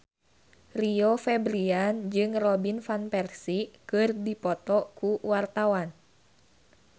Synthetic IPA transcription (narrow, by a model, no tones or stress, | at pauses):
riofɛbɾiand͡ʒɨŋrɔbinfanpɛrsikɨrdipɔt̪ɔkuwart̪awan